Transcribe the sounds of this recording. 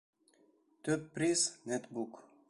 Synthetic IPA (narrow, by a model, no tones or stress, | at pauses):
t̪øt̚pɾisnet̪buk